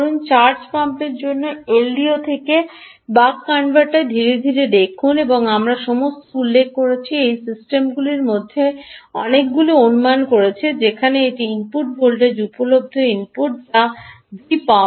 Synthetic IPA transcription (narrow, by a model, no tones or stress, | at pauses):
ɾunt͡ɕaɾd͡ʑpampeɾd͡ʑonːoelːiot̪ʰeke | bakːaɳɖbaʈaed̪ʱiɾed̪ʱiɾed̪ekʰuneboŋamɾaʃɔmost̪oulːekʰːkoɾet͡ɕʰiejsisʈemɡuliɾmod̪ʱːeɔ̰nek̚ɡulionumankoɾet͡ɕʰed͡ʑekʰaneeʈiimpuʈ̚bʱolʈed͡ʑupolob̚d̪ʱoimpuʈ̚ʈa | d̪ipa